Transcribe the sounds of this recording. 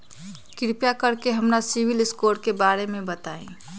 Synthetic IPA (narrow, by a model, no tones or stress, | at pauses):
kɪɾpjakəɾkeɦəmnasiʋilɪskoːɾkebaːɾemẽbət̪aːḛ̃